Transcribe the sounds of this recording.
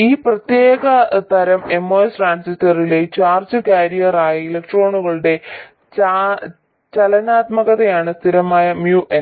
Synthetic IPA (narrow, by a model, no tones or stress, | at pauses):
iːprɐt̪je̞ːɣɐt̪ɐɾɐme̞mːoːesʈraːnsistːɐrile̞t͡ɕaːrd͡ʑɨkaːɾijɐraːjielek̚ʈro̞ːɳuɣɐɭɨɽe̞ | t͡ɕa | t͡ɕɐlɐnaːt̪mɐɣɐðɐjaːɳɨst̪ʰiɾɐmaːjɐmjuʔe